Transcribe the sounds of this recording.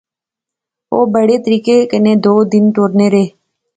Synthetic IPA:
oːbəɽeːt̪əɾiːkeːkəneːd̪oːd̪ɪnt̪oːɾneːɾeː

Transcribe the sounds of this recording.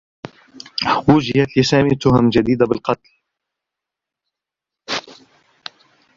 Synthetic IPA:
wʊd͡ʒɪhat̪lɪsaːmit̪ːʊhamd͡ʒad̪iːd̪abɪlqɑt̪l

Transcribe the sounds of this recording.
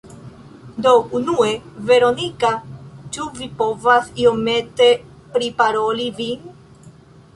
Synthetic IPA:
d̪o̞unue̞ve̞ɾonikat͡ʃuvipo̞vasiome̞t̪e̞ | pɾipaɾolivi

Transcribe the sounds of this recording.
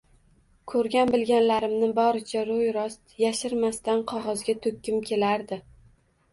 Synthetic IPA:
kʰɵɾɡʲanbɪlɡʲanlaɾɪmnɪbɒɾɪt͡ʃʰaɾojɾɒst̪jaʃɪɾmast̪anqʰɒʁɒzɡʲat̪ʰɵkʲːɪmkʲʰe̞laɾd̪ɪ

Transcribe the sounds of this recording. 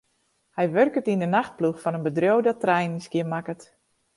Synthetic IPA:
hɛjʋørkətindənaxt̚pluxfɔnənbədrjowdɔtrɛjnisɡɪmakət

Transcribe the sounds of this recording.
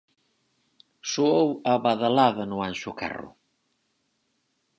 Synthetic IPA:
suowɐβaðalaðɐnʊanʃʊkɛ̰rʊ̰

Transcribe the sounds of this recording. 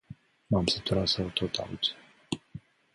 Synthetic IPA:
mamsit̪uɾasawt̪ʰot̪ʰa̰l

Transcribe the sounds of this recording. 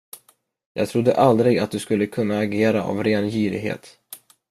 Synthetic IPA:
jɑ̰ːɡ̚t̪ʰɾʊd̪ːəʔald̪ɾɪɡat̪̚d̪ɵskɵlːəkʰɵnːaːɡeːɾaʔa̰vɾeːnjyːɾɪ̰ɡɦḛːt̪

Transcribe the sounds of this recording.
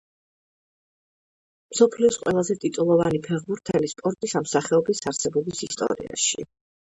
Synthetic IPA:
msɔpʰliɔsqʼwɛlˠazɛt̪ʼit̪ʼulˠɔvanipʰɛʁbuɾt̪ʰɛlispʼɔɾt̪ʼisamsaχɛɔbisaɾsɛbɔbisist̪ʼɔ̰ɾḭa̰ʃḭ

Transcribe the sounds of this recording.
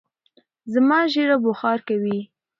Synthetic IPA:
zamɑʒeɾabʊxɑɾkawi

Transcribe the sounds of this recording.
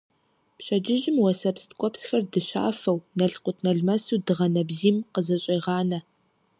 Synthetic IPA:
pɕɐd͡ʒɪʒɪmwɐsɐpstkʷʼɔpsxɐrdɨɕa̰ːfɐwnɐɬqʷʊtʰnɐɮmɐsuːdɨʁɐnɐbziːmqəzɐɕʼɐʁɑːnɐ

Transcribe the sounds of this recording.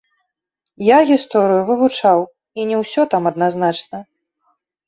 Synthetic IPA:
jaɣʲist̪ɔɾɨjuvɨvut͡ʂaw | inʲɛwsʲɔt̪amɐd̪naznat͡ʂnɐ

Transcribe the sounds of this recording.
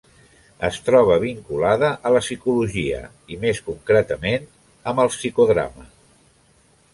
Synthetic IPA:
əst̪ɾɔβ̞əβ̞iŋkulaðəʔələsikuluʒiə̰ | imeskuŋkɾɛt̪əmen | əməlˠsikuðɾa̰mə

